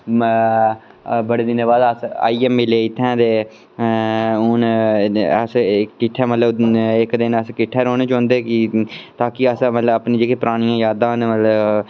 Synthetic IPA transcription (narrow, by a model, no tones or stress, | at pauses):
bəɽeːd̪ɪneːbaːd̪əsa̰ːiːɛːmːɪleːɪt̪ʰːãːd̪eː | ʊn | əskɪʈʰːɛːmət̪ləbɪkd̪ɪnəskɪʈʰːeːɾoːneːt͡ʃɔ̃ːnd̪eːkɪt̪aːkɪəsmət̪ləbəpnĩːd͡ʒeːkeːpɾaːɽ̃ijãːjaːd̪ãːnːmət̪lə